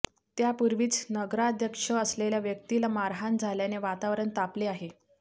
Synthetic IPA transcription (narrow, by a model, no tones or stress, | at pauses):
t̪japuɾʋiːt͡snəɡɾaːd̪ʱjəkʂəəsleljaʋjək̚t̪ilamaɾɦand͡zʱaljaneʋat̪aʋɾəɳt̪apleaɦe